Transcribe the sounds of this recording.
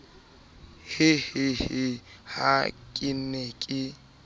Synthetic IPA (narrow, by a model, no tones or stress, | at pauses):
hɪhɪhɪhakʼɪnekʼɪ